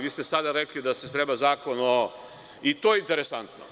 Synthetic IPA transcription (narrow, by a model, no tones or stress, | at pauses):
ʋiːst̪esad̪aɾeklid̪asespɾeːmazaːkono | it̪oːjeint̪e̞ɾesant̪no̰